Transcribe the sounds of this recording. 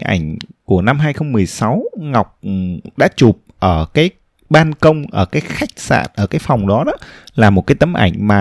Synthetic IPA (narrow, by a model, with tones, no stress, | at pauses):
ʔa̰˧˩jŋ̟ku˧˩əna˧mɦaː˧jxə˧wŋ͡mmɨ˨˩əjsa˨˦wŋa˨˩wk͡p̚ɗa̰ː˧˥t͡ɕu˨˩p̚ʔəː˧˩kaː˨˦j | ɓaː˧nkə˧wŋ͡mʔəː˧˩kaː˨˦jxa˦˥jk̟̚sa̰ː˧˨nʔəː˧˩kaː˨˦jfa˨˩wŋ͡mɗɔ˨˦ɗɔ˨˦laː˨˩mo˨˩kaː˨˦jt̪ə˨˦mʔa̰˧˩jŋ̟maː˨˩